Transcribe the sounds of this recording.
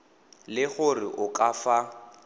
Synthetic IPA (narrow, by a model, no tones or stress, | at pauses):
lɪɣʊrɪ̰ʔʊkʼafa